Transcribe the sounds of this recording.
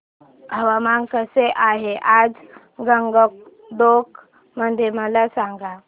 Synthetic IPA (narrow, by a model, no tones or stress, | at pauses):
ɦəʋamaŋkəseʔaɦeʔad͡z | ɡəŋɡək̚ | d̪ok | məd̪ʱeməlasaŋɡa